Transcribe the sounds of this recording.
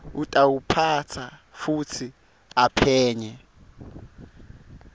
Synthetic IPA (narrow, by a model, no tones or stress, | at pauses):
utʼawupʰat͡sʰafutʰi | apʰɛːɲɛ